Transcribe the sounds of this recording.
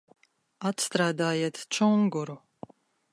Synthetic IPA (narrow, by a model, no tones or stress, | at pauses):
at̪st̪ɾaːd̪aːjɛt̪t͡ʃʰɔŋɡɔɾu